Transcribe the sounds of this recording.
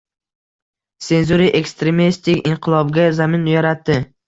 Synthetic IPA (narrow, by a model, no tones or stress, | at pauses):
se̞nzuɾiʔe̞kst̪ɾe̞mist̪ɪkʲɪɴqʰɨlˠɒbɡʲazamɪnjaɾat̪ːɪ